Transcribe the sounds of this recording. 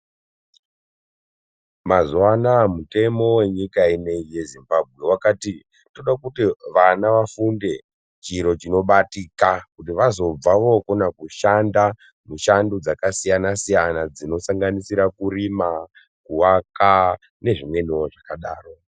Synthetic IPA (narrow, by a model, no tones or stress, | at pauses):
mazuwanamute̞mo̞we̞ɲikaine̞ije̞zimbab̚ʱɣwe̞wakati | to̞ɗakutiʋanaʋafunde̞ | t͡ʃiɾo̞t͡ʃino̞ɓatikakutiʋazo̞b͡vaʋokonakuʃanda | muʃandud͡zakasijanasijanad͡zino̞saŋɡanisiɾakuɾima | kuwaka | ne̞ʐimwe̞niwoʐakaɗaːro̞